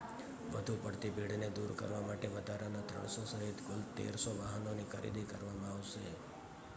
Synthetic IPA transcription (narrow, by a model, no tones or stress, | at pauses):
ʋəd̪ʱupəɽt̪ibʱiɽ̤ned̪uɾkə̰ɾʋamaʈeʋəd̪ʱaɾanat̪ɾə̰ɳ̃sosəɦit̪kʊlt̪ḛɾsoʋaɦənonikʰəɾḭd̪ikəɾʋamãaʋʃe